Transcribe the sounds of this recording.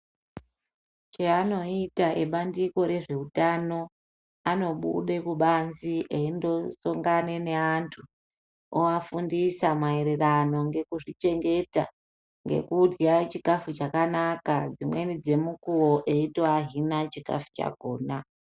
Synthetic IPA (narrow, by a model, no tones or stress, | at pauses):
t͡ʃeano̞itaʔeɓandiko̞ɾe̞ʐe̞utano̞ | ano̞ɓṵɗe̞kuɓanziʔeindo̞soŋɡanene̞antʰu | oafundisamaeɾe̞rano̞ŋɡe̞kuʐit͡ʃe̞ŋɡe̞ta | ŋɡe̞̰kudɡat͡ʃikafut͡ʃakanakad͡zimwe̞nid͡ze̞mukuwo̞ʔe̞itaɦinat͡ʃika̰fu̥t͡ʃa̰ɡʱoːna